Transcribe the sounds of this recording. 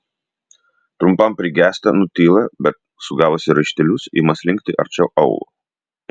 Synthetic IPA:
t̪ɾʊmpɐmpʲɾʲɪɡʲæːsʲt̪ʲɐnʊt̪ʲiːlˠɐbʲɛt̪ | sʊɡɑːʋoːsʲɪɾɐʃʲt̪ʲɛlʲʊsḭːmɐsʲlʲɪŋʲk̚ʲt̪ʲɪʔɐ̰ɾʲt͡ʃʲɛʊʔɐʊlˠṵ

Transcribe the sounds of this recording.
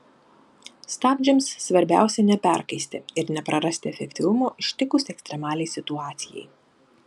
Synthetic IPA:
st̪ɑːbʲd͡ʒʲɪmsːʋɐɾʲbʲæ̰ˑʊsʲɛnʲɛpʲæˑɾkɐɪsʲt̪ʲɪɪɾnʲɛpɾɐɾɐsʲt̪ʲɪɛfʲɛkʲt̪ʲɪʋʊmoːʔɪʃʲt̪ʲɪkʊsʲɛkst̪ʲɾʲɛmɑːlʲɛɪsʲɪt̪ʊɑːt̪sʲɪjɛ̰ɪ

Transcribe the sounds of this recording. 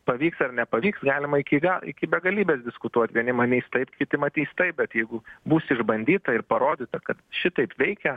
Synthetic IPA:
pɐʋʲiːksɐrnʲɛpɐʋʲiːksɡɑːlʲɪmɐɪkʲɪɡɐlˠɪ̰kʲɪbʲɛɡɐlʲiːbʲeːsd̪ʲɪskʊt̪uɔt̪ʲʋʲiɛnʲɪmɐnʲiːst̪ɐɪpkʲɪt̪ʲɪmɐt̪ʲiːst̪ɐɪp̚bʲɛt̪jɛɪɡʊbuːsɪʒbɐnʲd̪ʲiːt̪ɐɪrpɐɾoːd̪ʲɪːt̪ɐkɐt̪ʃʲɪt̪ɐɪpʋʲɛɪkʲɛ

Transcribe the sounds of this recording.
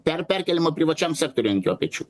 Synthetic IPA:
pʲɛɾpʲæɾʲkʲɛlʲɪmoːpʲɾʲɪʋɐt͡ʃʲɛmsʲæːk̚t̪oːɾʲʊɐŋʲkʲoːpʲɛt͡ʃʲṵ

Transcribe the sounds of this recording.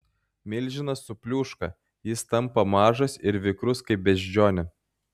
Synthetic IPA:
mʲɪlʲˑʒʲɪnɐsːʊpʲlʲuːʃkɐ̰ | jɪst̪ɐmpɐmɑːʒɐsɪɾʋʲɪkɾʊskɐɪp̚bʲɛʒʲd͡ʒʲoːnʲɛ

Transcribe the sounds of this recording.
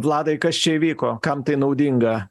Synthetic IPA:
plˠɑːd̪ɐɪkɐst͡ʃʲɛiːʋʲiːkoːkɐmt̪ɐɪnɐʊd̪ʲiŋɡɐ

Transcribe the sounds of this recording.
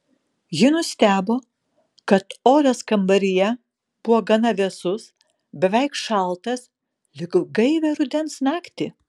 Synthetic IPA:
jɪnʊsʲt̪ʲæːboː | kɐt̪oːɾʲɐskɐmbɐɾʲɪjɛ | b̥ʊʋoːɡɐnɐʋʲɛsʊs | bʲɛʋʲɛɪkʃɑˑlˠt̪ɐs | lʲɪkɡɐɪʋʲɛɾʊd̪ʲɛnsnɑːkt̪ʲɪ

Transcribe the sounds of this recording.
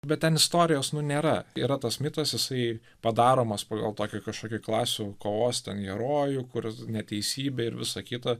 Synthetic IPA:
bʲɛt̪̚tʲɛnɪst̪oːɾʲɪjoːsnʊnʲeːɾɐiɾɐt̪ɐsmʲɪt̪ɐsjɪsɐɪ | pɐd̪ɑːɾoːmɐspɑːɡɐlˠt̪oːkʲukɐʃkoːkʲuːklˠɑːsʲukoːʋoːst̪ʲɛnɡʲɛɾoːjʊkʊɾnʲɛt̪ʲɛɪsʲiːbʲɛɪɾʋʲɪsɐkʲit̪ɐ

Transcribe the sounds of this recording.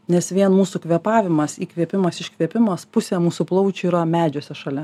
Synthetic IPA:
nʲɛsʋʲiɛnmuːsuːkʋʲiɛpɑːʋʲɪmɐsiːkʋʲiɛpʲɪmɐsɪʃʲkʋʲiɛpʲɪmɐspʊsʲæːmuːsuplˠɐʊt͡ʃʲuiːɾɐmʲæːd͡ʒʲosʲɛʃɐlʲɛ

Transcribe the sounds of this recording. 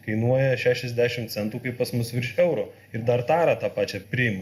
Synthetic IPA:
kɐɪnuɔjɛʃʲæːʃʲɛzʲd̪ʲæːʃʲɪmt̪sʲɛnt̪uːkɐɪppɐsmʊsʋʲɪɾʃɛʊɾʊ | ɪɾd̪ɐɾt̪ɑːɾɑːt̪ɑːpɑːt͡ʃʲɛpʲɾʲɪɪm

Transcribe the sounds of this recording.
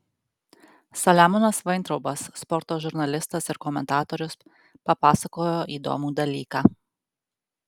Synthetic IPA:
sɐlʲæmɔnɐsʋɐɪnt̪ɾɔʊbɐsːpɔɾt̪oːʒʊɾnɐlʲɪst̪ɐsɪɾkɔmʲɛnt̪ɑːt̪oːɾʲʊs | pɐpɑːsɐkoːjoːʔiːd̪o̰ːmuːd̪ɐlʲiːkɑː

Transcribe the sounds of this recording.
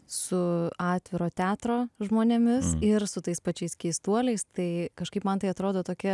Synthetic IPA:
sʊɑːt̪ʲʋʲɪɾoːt̪ʲæːt̪ɾoːʒmoːnʲemʲɪsɪɾsʊt̪ɐɪspɐt͡ʃʲɛɪskʲɛɪst̪uɔlʲɛɪst̪ɐɪkɐʃkɐɪpmɐnt̪ɐɪɐt̪ɾoːd̪oːt̪oːkʲɪ

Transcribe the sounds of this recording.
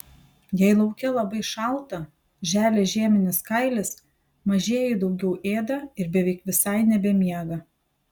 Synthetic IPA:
jɛɪlˠɐʊkʲɛlˠɐbɐɪʃɐlˠt̪ɐ | ʒʲæːlʲeːʒʲeːmʲɪnʲɪskɐɪlʲɪs | mɐʒʲeːjɛɪd̪ɐʊɡʲɛʊʔeːd̪ɐɪɾbʲɛʋʲɛɪkʋʲɪsɐɪnʲɛbʲɛmʲiɛɡɐ

